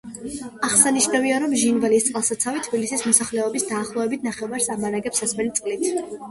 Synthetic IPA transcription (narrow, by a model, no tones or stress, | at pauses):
aʁsaniʃnaviaɾɔmʒinvalist̪sʼqʼlˠsat̪sʰavit̪ʰb̥ilisismɔsaχlɛɔbisd̪aːχlˠɔvɛbit̪ʰnaχɛvaɾsamaɾaɡɛpsasmɛlit̪sʼqʼlit̪ʰ